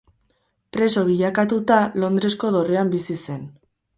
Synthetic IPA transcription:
pɾe̞so̞βiʎakat̪ut̪alo̞nd̪ɾe̞sko̞ðo̞re̞ambisise̞n

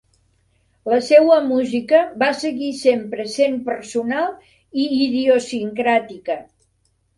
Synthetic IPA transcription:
ləsɛwəmuzikəβasəɣisempɾəsempəɾsunalˠ | iːðiosiŋkɾat̪ikə

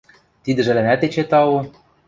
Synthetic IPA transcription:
t̪id̪ɘ̆ʒɘ̆lɘ̆næt̪et͡ɕet̪ɑwu

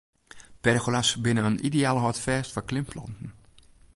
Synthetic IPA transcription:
pɛrxolasbɪnəənʔideaːləɦɔtfɛːstfɔklɪmpʰlɔ̰ntn̩

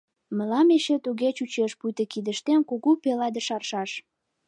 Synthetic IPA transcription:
mə̆lɑmeʃet̪uɣet͡ɕut͡ɕeʃpujt̪əkid̪əʃt̪enkuɣupelɑd̪ə̆ʃɑrʃɑʃ

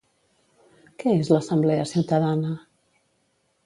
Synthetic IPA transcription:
kɛezləsəmblɛəsiwt̪əðanə

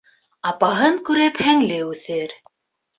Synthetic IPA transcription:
ɑpɑɦɤŋkʉɾɘphæŋlɘʉθɘɾ

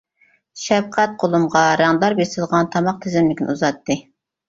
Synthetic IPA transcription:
ʃɛb̚qʰæt̪̚qʰolˠumʁɑɾɑŋd̪ɑɾbesɪlˠʁɑnt̪ʰɑmɑq̚t̪ʰɪzɪmlɪkʲin̰uzɑt̪ːɨ

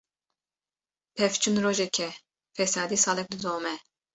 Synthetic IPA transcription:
pʰɛft͡ʃʰunɾoːʒɛkʰɛ | fɛsɑːd̪isɑːlɛk̚d̪ɨd̪oːmɛ

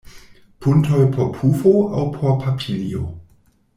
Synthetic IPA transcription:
pʰuntʰojpʰopʰufoa̰wpʰopʰapʰilḭo̰

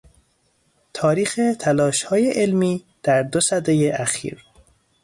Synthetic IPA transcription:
t̪ʰɒːɾiːxet̪ʰælɒːʃhɒːjeʔelmiː | d̪̥æɾd̪osæd̪ejeʔæxḭːɾ

